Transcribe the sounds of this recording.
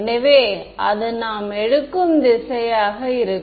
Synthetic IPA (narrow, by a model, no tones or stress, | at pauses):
nɐʋeːʔɐ̰ðɯnaːmɛɽɯkːɯmd̪ɪsɐjaːɣɐɪɾɯk